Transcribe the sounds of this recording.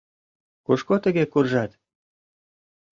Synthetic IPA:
kuʃkot̪ə̆ɣekurʒɑt̪

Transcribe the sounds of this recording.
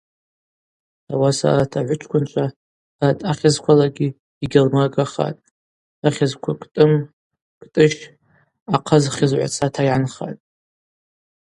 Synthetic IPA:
a̰wasa̰atʰaʕʷʊt͡ʃʷʰkʷʰʊnt͡ʃʷʰa | atʰʼaχʲazkʷʰalaɡʲi | iɡʲalmaɡaχa̰tʼ | aχʲazkʷʰakʼtʼɨm | kʼtʼɨʃ | aqʰazχʲɪzʕʷa̰t͡sʰatʰajʕanχa̰tʼ

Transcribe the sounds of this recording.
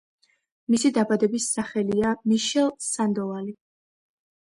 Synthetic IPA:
misid̪abad̪ɛbisːaχɛliamiʃɛlˠsand̪ɔvali

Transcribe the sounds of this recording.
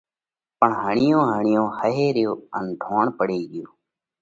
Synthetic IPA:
pəɳɦəɳɪjõːɦəɳɪjõːhəɦeːɾɪjoːənɖʱoːɳpəɽeːiːɡɪjoː

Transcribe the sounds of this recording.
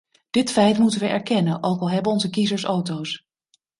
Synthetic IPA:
d̥ɪtfɛjtmutənʋəʔɛɹkɛnənʔowkɑlˠɦɛbənɔnzəkizəɹsowtows

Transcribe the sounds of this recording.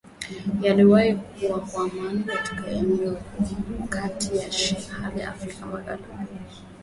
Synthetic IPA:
jaliwahik̚ | uwakwamanikati̥kaɛmɛɔkatijaʃihaliaʔa̰fɾikamaɡa̰luli

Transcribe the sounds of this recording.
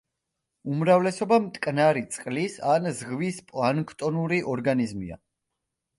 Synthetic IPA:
umɾavlɛsɔbamt̪ʼkʼnaɾit̪sʼqʼlisanzʁvispʼlˠankʰt̪ʼɔnuɾiʔɔɾɡanizmḭa̰

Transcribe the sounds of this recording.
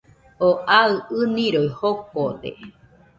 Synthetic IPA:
oʔaɨɨnĩɾoihok̚od̪ḛ

